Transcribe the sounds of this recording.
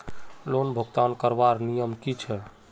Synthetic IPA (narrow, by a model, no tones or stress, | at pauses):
lonbʱəɡt̪ankəɾbaɾnijəmkit͡ʃʰɛ